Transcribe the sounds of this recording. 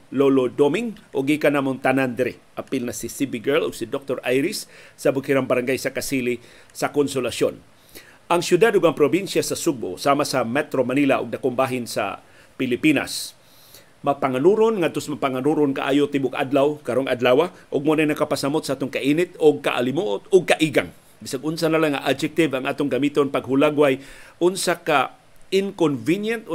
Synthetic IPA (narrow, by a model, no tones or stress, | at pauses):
lolod̪omɪŋʔʊɡiːkanaːmʊnt̪anand̪ɪɾɪʔapilnasɪsibiɡɛloɡsid̪ok̚t̪oɾʔajɾɪsːabʊkiɾaŋbaɾaŋɡajsakasili | sakonsolasjon | ʔaŋsjʊd̪ad̪ʊɡaŋpɾobinsjasɐsʊɡ̚bo̰saːmasamɛt̪ɾomanilaʔʊɡ̚d̪akoŋbaːɦɪnsa̰ | pɪlɪpiːna̰s | mapaŋanuɾonŋad̪̚t̪osmapaŋanuɾʊnkaʔa̰ːjʊt̪ɪbʊkʔa̰d̪lawkaɾoŋʔad̪laːwaʔʊɡ̚monajnɐkapasamot̪saʔaːt̪ʊŋkaʔinɪt̪ʊɡ̚ka̰ʔa̰lɪmuʔʊt̪ʊɡ̚kaʔiɡa̰ŋ | bɪsaɡʔʊnsanalaŋaʔad͡ʒɛk̚t̪ɪvaŋʔaːt̪ʊŋɡamiːt̪onpaɡɦʊlaɡwajʔʊnsaka | ɪŋkonvinjant̪